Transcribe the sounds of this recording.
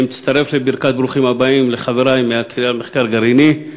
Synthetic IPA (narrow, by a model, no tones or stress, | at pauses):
mt̪ist̪aʁe̞flebiʁkat̪̚bɾuχimhabaimleχaveʁaimeakialmeχkaʁɡaɾini